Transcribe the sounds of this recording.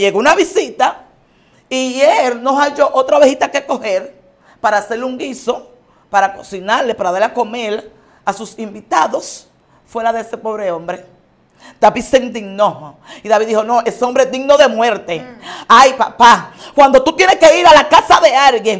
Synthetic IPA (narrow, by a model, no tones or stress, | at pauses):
ʝeɣounaβisit̪a | ieɾnosaʝo̞ʔot̪ɾaβehit̪ake̞ko̞he̞ɾ | paɾaːse̞ɾluŋɡiso̞ | paɾako̞̥sinaɾle̞paɾaðaɾlako̞me̞ɾ | asusimbit̪aðo̞s | fwe̞ɾaðeese̞po̞βɾe̞o̞mbɾe̞ | t̪aβisend̪iɡno | iðaβiðːihono̞ʔe̞seombɾeed̪iɡno̞ðe̞mwe̞ɾt̪e̞ajpa̰pakwand̪ot̪ut̪jeneske̞iɾalakasaðe̞aɾɣjeŋ